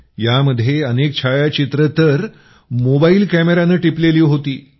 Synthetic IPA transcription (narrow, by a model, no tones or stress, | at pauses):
jaməd̪ʱːjeənek̚t͡ɕʰajat͡ɕit̪ɾət̪əɾ | mobailkæmeɾanəʈipleliːɦot̪iː